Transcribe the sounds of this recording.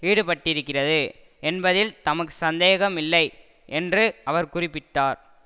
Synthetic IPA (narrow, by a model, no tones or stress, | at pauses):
ʋiːɽɯpɐʈːɪɾɯkːɪrɐðɯ | ɛnbɐðɪlt̪ɐmɐkːɯ̥sɐnd̪eːɣɐmɪlːɐɪ | ʔɛndrɯʔɐʋɐɾkʊrɪpːɪʈːaːɾ